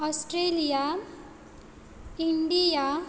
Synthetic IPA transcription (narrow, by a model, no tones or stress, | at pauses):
ʌsʈɾelija | iɳɖija